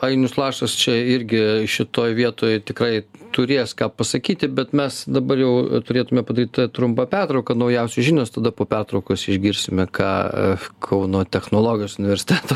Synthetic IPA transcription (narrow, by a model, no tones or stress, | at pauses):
ɐɪnʲʊslˠɑːʃɐst͡ʃʲɛɪɾʲɡʲɪʃʲɪt̪oːjʋʲiɛt̪oːjt̪ʲɪkrɐɪt̪ʊɾʲeːskɑːpɐsɐkʲiːt̪ʲɪbʲɛt̪mʲɛsd̪ɐbɐrjɛʊt̪ʊɾʲeːt̪ʊmʲɛpɐd̪ɐɾʲiːt̪ʲt̪ɐt̪ɾʊmpɐpʲært̪ɾɐʊkɐnɐʊjɛʊsʲɛʒʲɪnʲoːst̪ɐd̪ɐpoːpʲært̪ɾɐʊkoːsɪʒʲɡʲɪɾʲsʲɪmʲɛkʰɑ̰ːkʰɐʊnoːt̪ʲɛxnoːlˠoːɡʲɪjoːsʊnʲɪʋʲɛɾʲsʲɪ̥t̪ʲæːt̪o